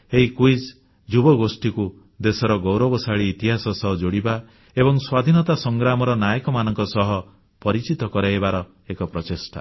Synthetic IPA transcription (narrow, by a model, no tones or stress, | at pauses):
eɦikujd͡ʒ | d͡ʒubɔɡosʈiku | d̪esɔɾɔɡowɾɔbɔsaɭiːt̪iɦasɔsɔɦɔd͡ʒoɽiba | ebɔŋswad̪ʱinɔt̪asɔŋɡɾamɔɾɔnajɔkɔmanɔŋkɔsɔɦɔ | pɔɾit͡ʃit̪ɔkɔɾeebaɾɔ | ekɔpɾɔt͡ʃesʈa̰